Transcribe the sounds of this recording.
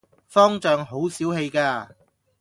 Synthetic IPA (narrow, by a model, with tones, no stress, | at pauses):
fɔː˥ŋt͡ʃœː˨˧ŋɦo˨˥wsiː˨˥wɦe˧jkaː˧